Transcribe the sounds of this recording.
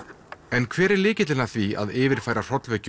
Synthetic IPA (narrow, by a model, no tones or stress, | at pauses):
ɛnkʰvɛːɾɛɾlɪːcɪt̪lɪlnaθvia̰ðɪːvɪɾ̥faːjɾar̥ɔt̪lvɛcʏ